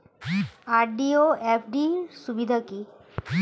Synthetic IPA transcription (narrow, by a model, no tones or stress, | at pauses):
aɾɖioepʰɖiɾʃubid̪ʱaki